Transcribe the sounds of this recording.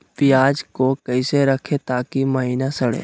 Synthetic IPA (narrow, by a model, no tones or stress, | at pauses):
pɪjaːd͡ʒkokəɪseɾəkʰet̪aːkiməɦiːnasəɽḛː